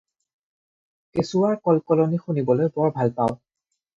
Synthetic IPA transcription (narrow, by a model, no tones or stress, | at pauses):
kesuwaɹkɔlkɔlonixunibɔlojbɔɹbʱalpaʊ